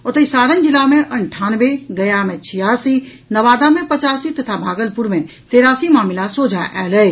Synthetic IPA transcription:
ʊt̪eisaːɽənɪ̆d͡ʑɪlaːmẽʔɐɳʈʰaːnʋeɡɐjamẽt͡ɕʰijaːsi | nɐʋaːd̪amẽpɐt͡ɕaːsit̪ɐt̪ʰabʱaːɡəlpʊɾmẽ | t̪eːɾaːsimaːmɪlasoːd͡ʑʱaʔɛːlɐeː

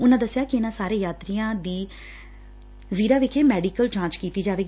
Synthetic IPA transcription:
ʊnãːd̪əsːɪjaːkɪɪnãːsaːɾeːjaːt̪ɾiːãːd̪iː | ziːɾaːʋɪkʰeːmɛːɖiːkəlt͡ʃãːnt͡ʃkiːt̪iːd͡ʒaːʋeːɡ

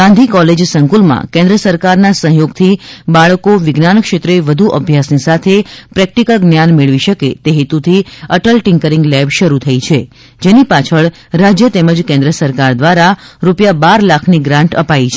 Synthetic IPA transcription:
ɡãnd̪ʱikɔled͡ʒsəŋkulmã̰kẽnd̪ɾəsəɾkaɾnasə̃ɦjoɡt̪ʰibaɭəkoʋɪɡnanəkʃet̪ɾeʋəd̪ʱuʔəbʱjasnisat̪ʰepɾɛk̚ʈikəlɡnjanmeɭʋiʃəket̪eɦet̪ut̪ʰiəʈəlʈɪ̃ŋkəɾiŋɡlɛbʃəɾut̪ʰəit͡ʃʰe | d͡ʒenipat͡ʃʰəɭ | ɾad͡ʒjət̪ɛməd͡ʒkẽnd̪ɾəsəɾkaɾd̪ʋaɾaɾupjabaɾlakʰniɡɾãɳʈə̰pait͡ʃʰe

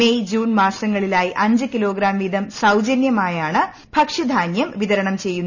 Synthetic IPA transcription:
ejd͡ʑuːnmaːsɐŋːɐɭilaːjiʔɐɲd͡ʑɨkilo̞ːɡɾaːmʋid̪ʱɐmsɐwd͡ʑɐnjɐmaːjaːɳɨ | bʱɐkʂɐd̪ʱaːnjɐmʋiðɐɾɐɳɐmt͡ɕe̞jːunːɐ

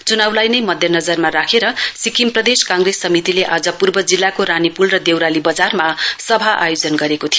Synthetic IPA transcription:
t͡sunawlajnʌjmʌd̪ʱjʌnʌd͡zʌrmaɾakʰeɾʌsikimprʌd̪eskãŋɡresːʌmit̪ileʔad͡zʌpurbʌd͡zilːakoɾanipulrʌd̪ewɾalibʌd͡zarmasʌbʱaʔa̰jod͡zʌnɡʌɾekot̪ʰij

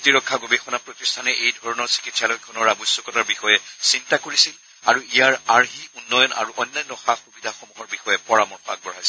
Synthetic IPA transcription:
tiɹɔkʰːaɡobixɔnapɹotistʰanɛʔejdʱɔɹɔnɔɹsi̥kitsalɔjkʰɔnɔɹabɔjsːɔkɔtaɹbixɔjɛsintakoɹisil | aɹuijaɹaɹɦiunːɔjɔna̰ɹuʔɔjnːajɔnːɔxaxubidʱaxomuɦɔɹbixɔjɛpɔɹamɔɹxɔa̰k̚bɔɹajs

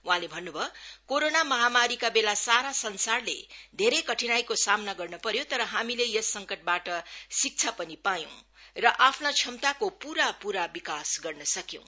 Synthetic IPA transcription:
wuɦãlebʱʌnːubʱʌkoɾonamʌɦamaɾikabelasaɾasʌnsarlḛd̪ʱeɾejkʌʈʰinajkosamnaɡʌrnʌpʌɾjot̪ʌɾʌɦamilejʌsːʌŋkʌʈ̚baʈʌsik̚t͡sʰapʌnipajõ | rʌʔapʰnat͡sʰʌmt̪akopuɾapuɾabikasɡʌrnʌsʌkjõ̰w̃

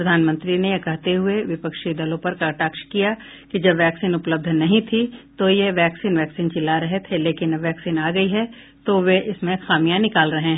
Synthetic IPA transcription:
ɾɐd̪ʱaːnmə̃nt̪ɾinejkɐɦt̪eɦʊeʋɪpəkʃid̪ɐlõpɐɾkɐʈaːkʃkija | kid͡ʒɐbʋɛːksiːnʊpləb̚d̪ʱnɐɦĩt̪ʰit̪ojeʋɛːksiːnʋɛːksiːnt͡ʃɪlaɾɐɦet̪ʰeleːkɪnʋɛːksiːnaːɡɐiɦɛ | t̪oʋeʔɪsmẽxaːmijãnɪkaːlɾɐɦẽɦɛ̃

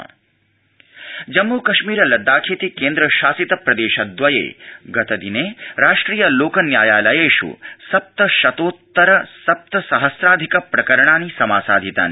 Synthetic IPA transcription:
d͡ʒɐmːukɐʃmiːɾɐlɐd̪ːaːkʰeːt̪ikeːnd̪ɾɐʃaːsit̪ɐpɾɐd̪eːʃɐd̪ʋɐjḛːɡɐt̪ɐd̪ineːɾaːʂʈɾiːjɐloːkɐnjaːjaːlɐjeːʃṵsɐp̚t̪ɐʃɐt̪oːt̪ːɐɾɐsɐp̚t̪ɐsɐɦɐsɾaːd̪ʱikɐpɾɐkɐɾɐɳaːnisɐmaːsaːd̪ʱit̪a̰ːni

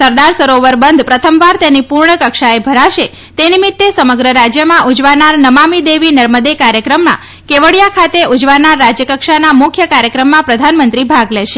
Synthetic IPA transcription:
səɾd̪aɾsəɾoʋəɾbənd̪ʱpɾət̪ʰəmʋaɾt̪enipuɾɳəkəkʃaebʱəɾaʃe | t̪enimɪt̪ːesəməɡɾəɾad͡ʒjəmãʔud͡ʒʋanaɾnəmamid̪eʋinəɾməd̪ekaɾjəkɾəmnã̰ | keʋəɽjakʰat̪eʔud͡ʒʋanaɾːad͡ʒjəkəkʃanamʊkʰjəkaɾjəkɾəmːãpɾəd̪ʱanmənt̪ɾibʱaɡlɛʃe

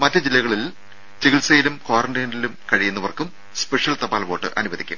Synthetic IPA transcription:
mɐtːɐd͡ʑilːɐɣɐɭil | t͡ɕeɣilsɐjilumkoːrɐɳdeːnilumkɐɻijunːɐʋɐrkːum | spe̞ʂjɐlt̪ɐbaːlʋo̞ːʈːɨ̰ʔɐ̰nuʋɐðikʲːṵm

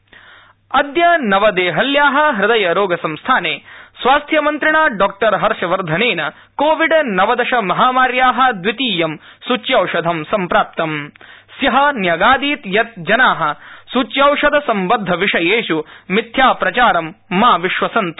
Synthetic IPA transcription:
ɐd̪jɐnɐʋɐd̪eːɦɐljaːɦɐ̆ɦɾɪd̪ɐjɐɾoːɡɐsɐmst̪ʰaːneːsʋaːst̪ʰjɐmɐnt̪ɾɪɳaːɖɔːk̚ʈɐɾɦɐɾʃɐʋɐɾd̪ʱɐneːnɐ | koːʋiɖnɐʋɐd̪ɐʃɐmɐɦaːmaːɾjaːɦɐ̆d̪ʋit̪iːjɐmsut͡ʃjɐwʂɐd̪ʱɐmsɐmpɾaːp̚t̪ɐmsjɐɦɐnjɐɡaːd̪iːt̪jɐt̪̚d͡ʒɐnaːɦɐ̆sut͡ʃjɐwʂɐd̪ʱɐsɐmbɐd̪ʱːɐʋiʂɐjeːʃumit̪ʰjaːpɾɐt͡ʃaːɾɐmːaːʋiʃʋɐsɐnt̪u̥

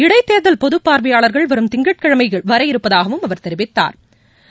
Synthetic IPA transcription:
ɪɽɐɪt̪ːeːɾðɐlpɔðɯpːaːɾʋɐjaːɭɐɾɣɐɭʋɐɾɯmt̪ɪŋɡɐʈ̚kɐɻɐmɐɪɣɐɭʋɐɾɐjɪɾɯpːɐðaːɣɐʋɯmɐʋɐɾt̪ɛɾɪʋɪt̪ːa̰ːɾ

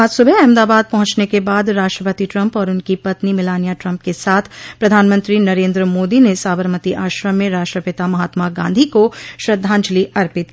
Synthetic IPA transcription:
aːd͡ʒsʊbʱɛɛ̃ːmd̪aːbaːd̪̚pɐɦʊ̃t͡ʃnekebaːd̪ɾaːʃʈɾəpət̪iʈɾɐ̃mpɔːɾʊnkipɐt̪nimɪlaːnijaʈɾɐ̃mp̚kesaːt̪ʰpɾɐd̪ʱaːnmə̃nt̪ɾinɐɾẽːnd̪ɾəmoːd̪inesaːbʱəɾmət̪iʔaːʃɾəmmːẽɾaːʃʈɾəpɪt̪amɐɦaːt̪maɡãːnd̪ʱikoʃɾɐd̪ʱːãːnd͡ʒliɐɾpɪt̪̚

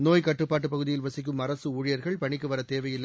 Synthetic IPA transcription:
noːjkɐʈːɯpːaːʈːɯpːɐɣɯðɪjɪlʋɐsɪk̬ːɯmɐɾɐsɯuːɻɪjɐɾɣɐɭpɐɳɪk̬ːɯʋɐɾɐt̪eːʋɐjɪl

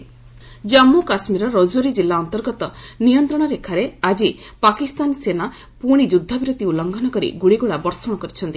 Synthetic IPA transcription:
d͡ʒamːukasmiɾɔɾɔd͡ʒoɾid͡ʒilːaɔnt̪ɔɾɡɔt̪ɔnijɔnt̪ɾɔɽ̃ɔɾekʰaɾead͡ʒipakist̪ansena | puɽ̃id͡ʒud̪ʱːabiɾɔt̪iulɔŋɡʱɔnɔkɔɾḭɡuɽiɡuɭabɔɾsɔɽ̃ɔkɔɾit͡ʃʰɔnt̪i

